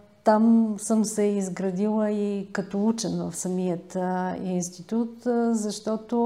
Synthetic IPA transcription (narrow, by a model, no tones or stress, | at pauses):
t̪amsəmsɛizɡɾɐd̪ilˠəikɐt̪ɔut͡ʃɛnvə̰fsɐmijət̪inst̪it̪ut̪zɐʃt̪ɔt̪o